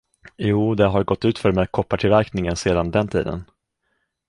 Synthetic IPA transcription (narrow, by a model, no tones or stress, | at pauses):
juːd̪ɛɦaɾɡɔt̪ːʉ̟ːt̪fœɾmɛkʰɔpːaʈ̪ʰɪlvæɾknɪŋənseːd̪and̪ɛnt̪ʰḭːd̪ə̰n